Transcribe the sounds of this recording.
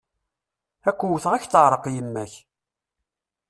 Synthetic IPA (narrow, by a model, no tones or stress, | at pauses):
ækʷːuwθʁæçθəʕɾˤəqjəmːæç